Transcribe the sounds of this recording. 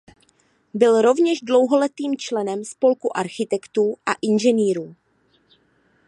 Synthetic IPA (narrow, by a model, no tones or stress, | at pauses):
bɪlɾo̞vɲɛʒdlo̞wɦo̞lɛt̪iːmt͡ʃlɛnɛmspo̞lkuʔaɾxɪt̪ɛkt̪uːʔa̰ʔɪnʒɛniːɾuː